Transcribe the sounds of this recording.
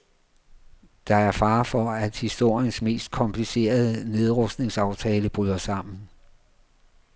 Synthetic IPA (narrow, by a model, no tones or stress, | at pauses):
d̥ɑ̈æɐfɑ̈ːfɒæd̥hisd̥o̝ɐ̰jənsme̝̰ːsd̥̚kʰɒ̽mpʰlise̝̰ːɐð̞ˠəne̝ð̞ˠʁɔ̽sd̥ne̝ŋsɑ̈ʊt͡sʰɛːləb̥ʁyðˠɐsɑ̈m̰n̩